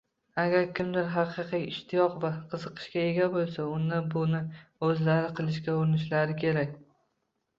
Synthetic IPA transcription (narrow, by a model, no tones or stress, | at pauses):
aɡʲaɾkʲʰɪmd̪ɪɾɦɑqʰɨqijɪʃt̪ʰɪjɒqvaqʰɨzɨqʰɨ̥ʃkʲaeɡʲabolˠsaʊnd̪abʊnɪɵzlaɾɪqʰɨlˠɪʃkʲaʊɾɪnɪʃlaɾɪkʲʰe̞ɾakʲ